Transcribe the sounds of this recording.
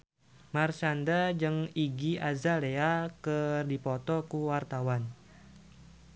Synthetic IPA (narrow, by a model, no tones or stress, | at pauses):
marsandad͡ʒɨŋiɡiʔazaleakərdipɔt̪ɔkuwart̪awan